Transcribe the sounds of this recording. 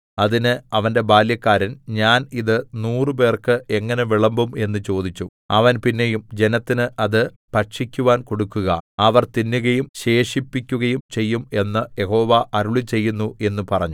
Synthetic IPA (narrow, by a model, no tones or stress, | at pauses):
ɐðinɨɐʋɐnde̞baːljɐkːaːɾɐnɲaːniðɨnuːrɨp̬e̞ːrkɨe̞ŋːɐne̞ʋiɭɐmbume̞nːɨt͡ɕo̞ːd̪it͡ɕːu | ɐʋɐnpinːe̞jumd͡ʑe̞nɐt̪ːinɨʔɐðɨ | pɐʈʂikʲːuʋaːnko̞ɽukːuɣɐ̰ɐʋɐrt̪inːuɣɐjumɕe̞ːʂipːikʲːuɣɐjumt͡ɕe̞jːume̞nːɐje̞ho̞ːʋaʔɐɾuɭit͡ɕe̞jːunːue̞nːupɐrɐɲːu